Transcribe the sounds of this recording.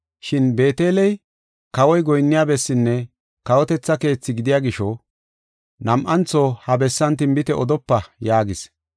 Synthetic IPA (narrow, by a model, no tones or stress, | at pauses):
ʃɪnbe̞ːt̪e̞ːlɛj | kɐwɔjɡɔjnːɪjaːbɛsːɪnːɛ | kɐwɔt̪ɛt͡sːɐke̞ːt͡sːɪɡɪd̪ɪjaːɡɪʃɔ | nɐmʔɐnt͡sːoːhɐbɛsːɐnt̪ɪmbɪt̪ɛʔɔd̪ɔpːɐjaːɡɪs